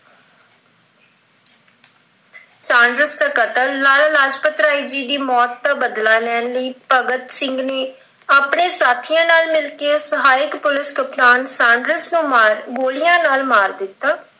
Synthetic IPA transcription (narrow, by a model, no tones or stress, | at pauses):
sãːɳɖɾəsd̪aːkət̪əlːaːlaːlaːd͡ʒpət̪ɾaːiːd͡ʒiːd̪iːmɔːt̪ːaːbəd̪laːlɛːnləiːpəɡət̪sɪŋɡneː | aːpɳeːsaːt̪ʰijãːnaːlmɪlkeːsəɦaːɪkpʊlɪskəpnaːnsãːɳɖɾəsnũːmaːɾɡoːlɪjãːnaːlmaːɾd̪ɪt̪ːaː